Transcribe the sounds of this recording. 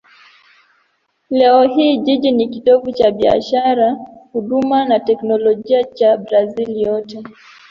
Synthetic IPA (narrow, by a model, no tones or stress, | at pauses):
lɛɔɦiːʄiʄinikitɔvut͡ʃaɓia̰ʃaɾahuɗumanatɛknɔlɔʄiat͡ʃabɾazilijɔtɛ